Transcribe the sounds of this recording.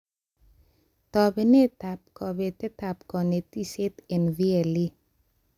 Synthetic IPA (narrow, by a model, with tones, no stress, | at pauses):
t̪ɔ˨be˨ne˦t̪a˨p̚kɔ˨βe˨t̪e˦t̪a˨p̚kɔ˨ne˨t̪i˦se˦t̪e˨nvi˦e˨li˦